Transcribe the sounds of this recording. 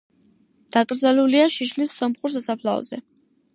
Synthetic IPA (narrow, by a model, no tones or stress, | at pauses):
d̪̥akʼɾd̪zaluliaʃiʃlisːɔmχʼuɾsasapʰlaɔ̰z̥ɛ